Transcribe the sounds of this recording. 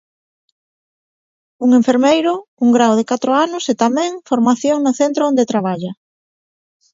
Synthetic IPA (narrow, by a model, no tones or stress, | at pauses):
uŋeɱfeɾmejɾʊuŋɡɾawðekat̪ɾʊanʊset̪amɛ̃ŋfoɾmaθjoŋnʊθent̪ɾoõnd̪et̪ɾaβ̞aʎɐ